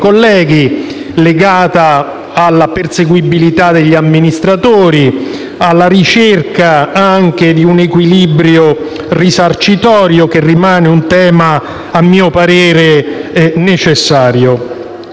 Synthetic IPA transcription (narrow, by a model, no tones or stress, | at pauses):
kolːɛːɡi | leɡaːt̪aː | lːaperseɡwibilit̪ad̪eʎːiamːinist̪ɾat̪oːɾi | alːaɾit͡ʃerkaaŋk̟ed̪iunekwilibɾjo | risart͡ʃit̪ɔːɾjokerːimaːneunt̪ɛːmaː | mːiːopaɾeːɾe | net͡ʃesːaːɾjo